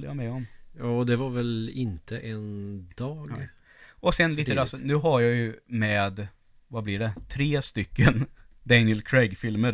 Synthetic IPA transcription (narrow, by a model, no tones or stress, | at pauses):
lːəja̰mɛɔmjɑːd̪ɛvaɾvɛlɪnt̪ʰəʔɛnd̪̥ɑːɡ | ɔsɛnliːt̪əɾasnʉ̟ːɦaɾjɑjɵmɛːd̪ | vablɪɖɛt̪ʰɾeːst̪ʏkːən | d̪ænɪəlkʰɾɛɡfɪlməɾ